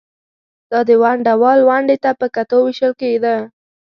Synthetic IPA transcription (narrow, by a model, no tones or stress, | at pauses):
d̪̥ɑd̪əwaɳɖawɑlwaɳɖet̪apəkat̪owɪʃəlkeɡd̪a